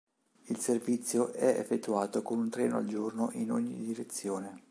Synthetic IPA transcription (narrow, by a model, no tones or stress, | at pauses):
ilservit̪sːjoʔɛḛfːet̪ːuaːt̪okonunt̪ɾɛːnoa̰ld͡ʒornoʔinoɲːḭd̪iɾet̪sːjoːne